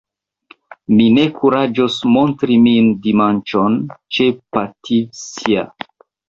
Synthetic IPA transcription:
mine̞kʰuɾad͡ʒosmo̞ntɾimindimant͡ʃont͡ʃepatʰisia̰

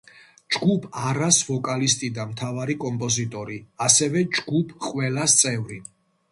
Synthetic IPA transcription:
d͡ʒɡupʰaɾasvɔkʼalist̪ʼid̪amt̪ʰavaɾikʼɔmpʼɔzit̪ʼɔɾiasɛvɛd͡ʒɡ̥upʰqʼwɛlast̪sʼɛvɾi

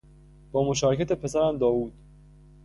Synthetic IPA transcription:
b̥ɒːmo̞ʃɒːɾecʰæt̪e̞pʰe̞sæɾæmd̪ɒːvuːd̪̥

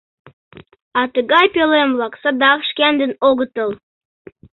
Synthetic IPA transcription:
ɑt̪əɡɑjpʲelˠemlˠɑksɑd̪ɑkʃkʲænd̪ɘ̆noɡə̆t̪əlˠ

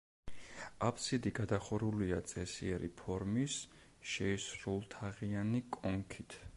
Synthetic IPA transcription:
apʰsid̪iɡad̪aχɔɾuliat̪sʼɛsḭɛɾḭpʰɔɾmis | ʃɛisɾulˠt̪ʰaʁianikʼɔŋkʰit̪ʰ

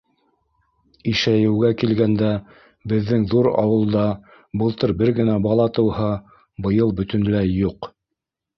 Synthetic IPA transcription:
iʃæjɘ̆wɡækilɡænd̪æ | bɘ̆ðːɘŋðuɾɑ̰wɤ̆lˠd̪ɑ | bɤ̆lˠt̪ɤɾbɘɾɡɘ̆næbɑlˠɑt̪ɤ̆whɤ | bɤ̆jɤlˠbɵ̆t̪ɵ̆nlæjuq

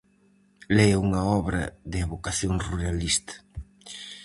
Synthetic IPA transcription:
lɛjuŋɐɔβɾɐ̰ðɪeβokaθjoŋruɾalist̪ɐ̥

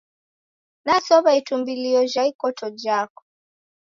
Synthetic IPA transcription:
nasɔβaitumbiliɔʒaikɔtɔd͡ʒakɔ̥

